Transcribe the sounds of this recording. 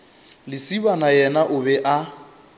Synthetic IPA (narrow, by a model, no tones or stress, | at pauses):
lɪsibanajɛnaʔʊbɛʔa